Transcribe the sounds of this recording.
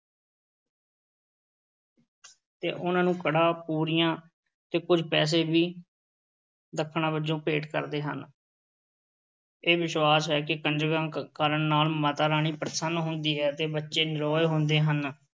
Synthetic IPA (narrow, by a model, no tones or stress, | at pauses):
t̪ḛːʔʊnãːnũːkəɽaːpuːɾijãː | t̪eːkʊd͡ʒpɛːs̬eːbiː | d̪əkʰːɳãːbəd͡ʒõːpeːʈkə̰ɾd̪eːɦə̰n | eːʋɪʃwaːsɦɛːkɪkənd͡ʒəɾɡãːkaːɾəɳnaːlmət̪aːɾaːɳ̃iːpɾəsənːɦʊnd̪iːɦɛːt̪eːbətːʃeːnɪɾɔːjɦʊnd̪eːɦən